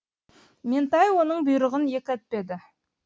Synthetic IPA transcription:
ment̪ɑjwo̞nəɴbʊjɾəʁənje̞kʲæt̪̚pe̞d̪ɪ

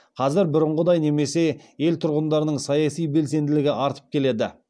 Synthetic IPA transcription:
qʰɑzɪɾbʊɾəɴʁəd̪ɑjne̞me̞se̞je̞lt̪ʰʊɾʁənd̪ɑɾənəɴsɑjɑsijbe̞ls̬e̞nd̪ɪlɪɡʲɪʔɑɾt̪ə̥p̚kʲʰe̞le̞d̪ɪ̰

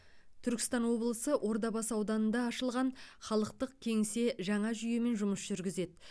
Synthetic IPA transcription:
t̪ʰʏɾkʲɪ̥st̪ɑnwo̞blˠəsəʔo̞ɾd̪ɑbɑsɑwd̪ɑnənd̪ɑːʃəlˠʁɑnχɑlˠəqt̪əq̚kʲʰe̞ŋse̞ʒɑɴɑʒʏjeme̞nʒʊməsʒ̥ʏɾɡʲɪze̞d̪ɪ

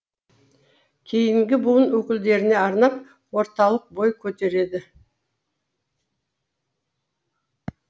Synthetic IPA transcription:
kʲʰe̞jɪŋɡʲɪbuwənwɵkʲɪld̪e̞ɾɪne̞ɑɾnɑp̚ | wo̞ɾt̪ɑlˠəq̚bo̞jkʲʰɵt̪e̞ɾe̞d̪ɪ

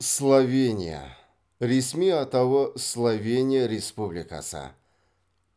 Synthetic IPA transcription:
slˠavʲenʲɪ̰jə̰ | ɾʲɪsʲmʲiɐt̪ɐvoslˠɐvʲenʲɪjəɾʲɪspublʲɪka̰sa̰

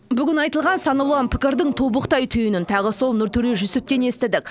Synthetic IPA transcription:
bʏɡʲɪnɑjt̪əlˠʁɑnsɑnəwlˠɑnpʰɪ̥kʲɪɾd̪ɪŋt̪ʰobəqt̪ɑjt̪ʰʏjɪnɪnt̪ʰɑʁəso̞lˠnʏɾt̪ʰʏɾeʒʏsɪp̚t̪e̞ne̞st̪ɪd̪ɪkʲ

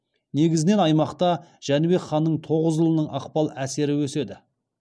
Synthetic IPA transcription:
ne̞ɡʲɪzɪne̞nɑjmɑqt̪ɑʒ̥ænɪbe̞kχɑnːəɴt̪ʰo̞ʁəzʒəlˠənəɴʔɑqpɑlˠæse̞ɾɪwɵse̞d̪ɪ

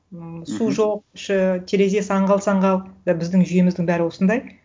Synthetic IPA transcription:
suʒoq̚ʃɪt̪ʰeɾe̞ze̞sɑɴʁɑlˠsɑɴʁɑlˠd̪bɪzd̪ɪŋʒʏje̞mɪzd̪ɪŋbæɾɪwo̞sənd̪ɑj

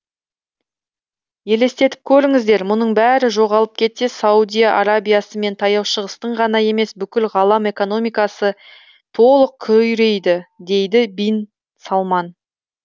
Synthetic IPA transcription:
je̞le̞st̪e̞t̪ɪ̥p̚kʲʰɵɾɪŋɪzd̪e̞ɾmʊnəɴbæɾɪʒo̞ʁɑlˠəp̚kʲʰe̞t̪se̞saud̪ʲijaʔaɾabʲijasəme̞nt̪ʰɑjɑwʃəʁəst̪əɴʁɑnɑje̞me̞sbʏkʲɪlʁɑlˠɑme̞ko̞no̞mijkɑsə | t̪ʰo̞lˠəq̚kʲʰɵjɾe̞jd̪ɪd̪e̞jd̪ɪbijn | sɑlˠmɑn

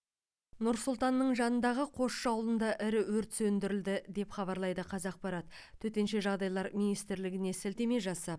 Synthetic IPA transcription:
nʊɾsʊlˠt̪ɑnːəɴʒɑnənd̪ɑʁəqʰo̞ʃʃɑwlˠənd̪ɑʔɪɾɪwɵɾt̪sɵnd̪ɪɾɪld̪ɪd̪e̞pχɑβɑɾlˠɑjd̪əqʰɑzɑq̚pɑɾɑt̪ | t̪ʰːɵt̪e̞nʃe̞ʒɑʁd̪ɑjlˠɑɾmijnijst̪ɪɾlɪɡʲɪne̞sɪlt̪e̞me̞ʒɑsɑp̚

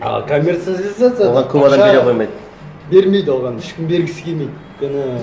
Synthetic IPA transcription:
ɑ̰kʰomʲert̪sat̪lʲizat̪solˠʁɑŋkʰʲɵpɑd̪ɑmeɾeojmɑjd̪ | be̞ɾme̞jd̪wolˠʁɑnɪʃkʲɪmbe̞ɾɡʲɪsɪ̥kʲʰemejd̪ | kʲʰɪnɪ

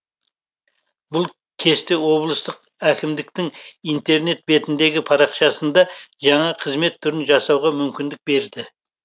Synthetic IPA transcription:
bʊlˠ | kʲʰe̞st̪ɪwo̞blˠəst̪əq | ækʲɪmd̪ɪkt̪ɪŋijnt̪e̞ɾne̞t̪̚be̞t̪ɪnd̪e̞ɡʲɪpʰɑɾɑqʃɑsənd̪ɑʒɑɴɑqʰəzme̞t̪ʰːʏɾɪnʒɑsɑwʁɑmʏmkʲɪnd̪ɪk̚be̞ɾd̪ɪ

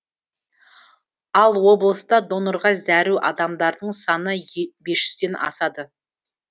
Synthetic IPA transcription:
ɑlˠwo̞blˠəst̪ɑd̪o̞noɾʁɑzæɾuʔɑ̰d̪ɑmd̪ɑɾd̪əɴsɑnəbe̞sʒ̥ʏz̥d̪e̞nɑ̰sɑd̪ə

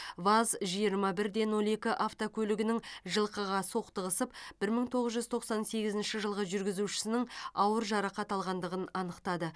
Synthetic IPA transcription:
vazʒijəɾmɑbɪɾd̪e̞nwo̞lˠe̞kʲɪʔaft̪okʲʰɵlɪɡʲɪnɪŋʒəlˠqəʁɑso̞qt̪əʁəsəpb̥ɪɾməŋt̪ʰo̞ʁəzʒʏzt̪ʰo̞qsɑnse̞ɡʲɪzɪnʃɪʒəlˠʁəʒʏɾɡʲɪzuʃɪ̥sɪnɪŋɑwəɾʒɑɾɑqɑt̪ɑlˠʁɑnd̪əʁənɑnəqt̪ɑd̪ə

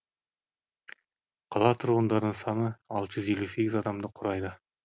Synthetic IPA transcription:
qʰɑlˠɑt̪ʰʊɾʁənd̪ɑɾd̪əɴsɑnəɑlˠt̪əʒʏze̞lːuse̞ɡʲɪzɑd̪ɑmd̪əqʰʊɾɑjd̪ə

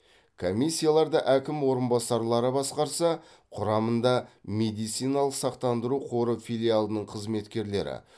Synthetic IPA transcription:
kʰomijsʲːijalˠɑɾd̪əʔækʲɪmwo̞ɾənbɑsɑɾlˠɑɾəbɑsqɑɾsɑ | qʰʊɾɑmənd̪ɑme̞d̪ijt̪sijnɑlˠəqsɑqt̪ɑnd̪əɾuqʰo̞ɾəfʲijlʲijalˠənəɴqʰəzme̞t̪kʲe̞ɾle̞ɾɪ̰

